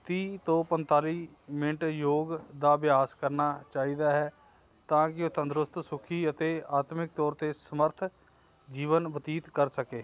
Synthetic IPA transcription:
t̪iːt̪õːpənt̪aːliː | mɪ̃ɳʈjoːɡd̪aːbɪjaːskəɾnaːt͡ʃaːiːd̪aːɦɛː | t̪ãːkɪot̪ənd̪ɾʊst̪sʊkʰiːət̪eːaːt̪mɪk̚t̪ɔːɾt̪eːsəməɾt̪ʰ | d͡ʒiːʋənbət̪iːt̪kəɾsəkeː

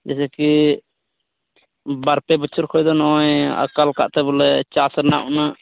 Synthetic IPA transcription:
d͡ʒɛsɛki | baɾpɛbət͡ʃʰɔɾkʰɔjd̪ɔnɔja̰kalka̰ʔt̪ɛbɔlɛt͡ʃasɾnaʔunaʔ

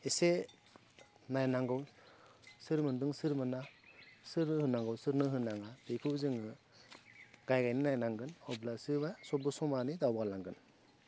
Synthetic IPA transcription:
ese | najnaŋɡɔw | sɯɾmɯndɯŋsɯɾmɯnasɯɾnɯhɯnaŋɡɔwsɯɾnɯɦɯnaŋab̥ekʰɯzɯŋɯ | ɡ̥ajɡajnɯnajnaŋɡɯnɔblasɯɾbasɔbɯsɔmanidawbalaŋɡɯn

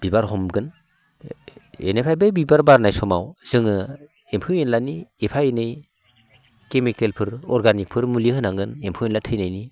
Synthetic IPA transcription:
b̥ibaɾɦɔmɡɯn | ḛnepʰajbejbibaɾbaɾnajsɔmawz̥ɯŋɯ | empʰuwenlaniepʰajenɯj | kemikelpʰɯɾɔɾɡanik̚pʰɯɾmuliɦɯnaŋɡɯnempʰuwenlatʰɯjnajni

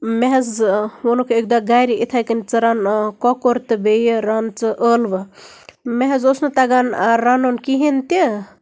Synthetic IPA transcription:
meɦezonokʰeek̚d̪aɡajɾiʔit̪ʰajkənt͡sɨɾankɔkoɾt̪ɨbejɾant͡sɨʔəlʋ | meɦezosnot̪aɡanɾanonkiɦint̪i

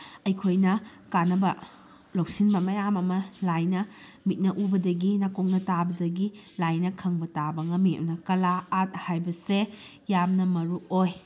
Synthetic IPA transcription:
ɐjkʰojnɐ | kanɐbɐ | lowsinbɐmɐjamɐmɐlajnɐ | mit̚nɐʔubɐdɐɡinakok̚nɐtabɐdɐɡilajnɐkʰɐŋbɐtabɐŋɐmiɐ̰mnɐkɐlaːt̚hajbɐse | jamnɐmɐɾuoj

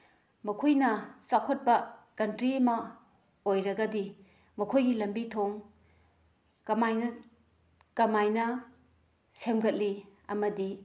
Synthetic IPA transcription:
mɐkʰojnɐsakʰot̚pɐkɐntɾimɐ | ojɾɐɡɐdi | mɐkʰojɡilɐmbitʰoŋ | kɐmajnɐ | kɐmajnɐ | semɡɐt̚liɐ̰mɐdi

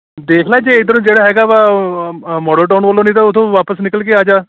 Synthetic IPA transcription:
d̪eːkʰlaːd͡ʒeːɪd̪əɾũːd͡ʒeːɽaːɦɛːɡaːʋaː | mɔːɖəlʈ̬aːnʋəlõːnĩːt̪aːʊt̪ʰõːʋaːpəsnɪkəlk̬eaːd͡ʒaː

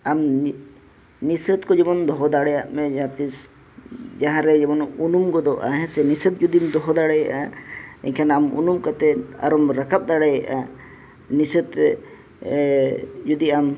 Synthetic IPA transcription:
am | nisət̪kɔd͡ʒɛmɔnd̪ɔɦɔd̪aɽɛjaʔmɛ̃d͡ʒaãt̪is | d͡ʒaɦãɾɛd͡ʒɛmɔnunumɡɔd̪ɔʔa̰ɦɛ̃sɛnisət̪̚d͡ʒud̪imd̪ɔɦɔd̪aɽɛjaʔaɛ̰ɲkʰanamṵnumkat̪ɛa̰ɾɔmɾakap̚d̪aɽɛjɛʔa | nisət̪ɛ | d͡ʒud̪iam

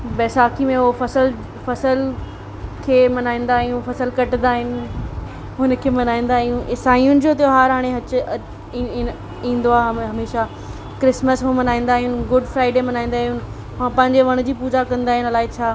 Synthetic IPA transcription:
bɛːsaːkimẽʊɦofɐsəl | fɐsəl | kʰeːmɐnaːĩːn̆d̪aːɦijũfɐsəlkɐʈɪnd̪aːɦɪnɪ̆ | ɦʊnəkʰeːmɐnaːĩːn̆d̪aːɦijũsaːĩjʊnɪ̆d͡ʑoːt̪joɦaːɾɦaːɽ̃eɦɐt͡ɕʊ̆ | ĩːn̆d̪oaːɦɐmeːʃa | kɾɪsməsɦomɐnaːĩːn̆d̪aːɦʊnɪɡʊɖfɾaːɪɖemɐnaːĩnd̪aːɦiʊn | ʋãpɐ̃ɦɪ̃ɲd͡ʑeʋɐɽ̃ʊd͡ʑiːpuːd͡ʑakɐ̃nd̪aːɦɪnlaːet͡ɕʰaː

